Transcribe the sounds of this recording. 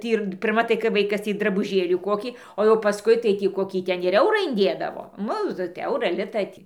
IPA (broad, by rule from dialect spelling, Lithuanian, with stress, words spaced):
ˈtʲiː ɪr pʲɪrˈmɐ tɐɪ kɐɪ ˈʋɐɪkɐs ˈtʲiː drɐbʊˈʒʲeːlʲiː ˈkoːkʲiː oː jɛʊ pɐˈskʊɪ tɐɪ tʲiː ˈkoːkʲiː ˈtʲɛn ɪr ˈɛʊrɑː ɪnʲˈdʲeːdɐʋoː ˈnʊ tʲɪ ˈɐʊrɑː ˈlʲɪtɑː tʲiː